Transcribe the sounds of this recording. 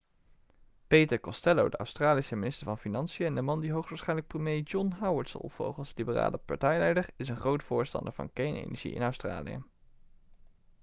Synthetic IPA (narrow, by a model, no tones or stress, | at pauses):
pejtəɹkɔstɛlowdə̰œ̰ɥstraːlisəmɪnɪstəɹvɑnfinɑnsijəɛndəmɑndiɦowχsʋaɹsχɛjnlək̚prəmjejd͡ʒɔnɦawəɹtsə̰lˠv̥o̰wχəlˠslibəra̰ːləpɑ̰ɹtɛjlɛjdəɹɪsənχrowtfʊːɹstɑ̰ndəɹvɑ̰nkɛjnḛjnəɹʒḭɪ̰nœɥstra̰ːlḭjə̰